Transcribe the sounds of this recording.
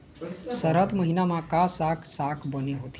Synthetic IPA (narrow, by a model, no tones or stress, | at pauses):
səɾət̪məɦinamãkasakʰsakʰbəneɦot̪